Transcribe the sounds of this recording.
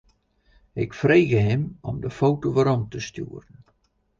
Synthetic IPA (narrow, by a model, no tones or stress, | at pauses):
ɪkfreːɣəɦɪmɔmdəfowtoʋəɾɔmtəstjṵːərən